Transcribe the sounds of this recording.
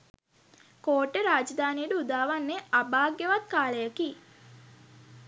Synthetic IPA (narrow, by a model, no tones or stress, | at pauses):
koːʈːəɾaːd͡ʒd̪aːnijəɖəud̪aːʋanːeabaːɡːeʋat̪kaːləjəki